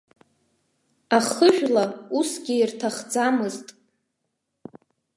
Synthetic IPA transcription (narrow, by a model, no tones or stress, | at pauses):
aχəʒᶣlausɡʲiːrtʰaχd͡zamɨztʼ